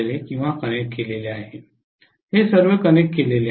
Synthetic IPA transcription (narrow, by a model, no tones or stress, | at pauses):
lekĩw̃ʋakəɽ̃ekkːeleleaɦe | hesəɾʋekəñekːelele